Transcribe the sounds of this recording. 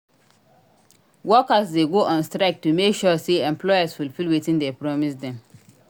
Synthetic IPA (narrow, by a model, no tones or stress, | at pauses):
wɔkasdeɡoʔɔ̃nstɾaɪk̚tumekʃɔseɛ̃mpʰlɔasfulfilwitĩndɛpɹɔmisdɛ̃m